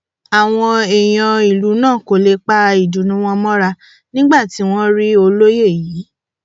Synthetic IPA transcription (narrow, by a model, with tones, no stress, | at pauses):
a˨w̃ɔ̃˧e˨j̃ɔ̃˧i˨lu˨˦nãː˦˨ko˨le˧k͡pa˦ɾa˧i˨du˨˦nũ˦w̃ɔ̃˧mɔ̃˦ɾa˧ | nĩ˦ɡ͡ba˦˨ti˨˦w̃ɔ̃˦ɾi˦o˧lo˦je˦˨ji˨˦